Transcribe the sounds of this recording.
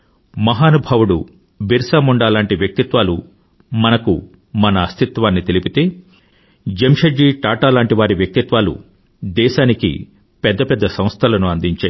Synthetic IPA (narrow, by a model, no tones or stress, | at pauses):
mɐɦaːnubʱɐʋuɽṵ | biɾsaːmuɳɖaːlaːɳʈiʋjɐk̚t̪it̪ʋaːlu | mɐnɐku | mɐnɐːst̪ʰit̪ʋaːnːit̪elipit̪e̞ː | d͡ʒemʂɐd͡ʒiːʈaːʈaːlaːɳʈiʋaːɾiʋjɐk̚t̪it̪ʋaːlṵ | d̪ɛːʃaːnikḭ | pɛd̪ːɐpɛd̪ːɐsɐ̃mst̪ʰɐlɐnuɐnd̪iɲt͡ʃa